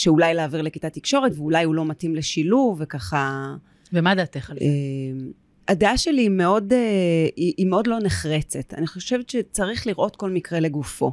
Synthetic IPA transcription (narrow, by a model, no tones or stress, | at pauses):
ʃeulajleaviʁlekitat̪ikʃo̞ʁetveulajulo̞matimleʃiluvekaχa | vemad̪aːt̪eχem | adeaʃe̞liːme̞o̞deiʔimeo̞dlo̞neχʁet͡se̞ta̰niχo̞ʃevetʃet͡saʁiχliʁʔo̞tko̞lmikʁele̞ɡufo̞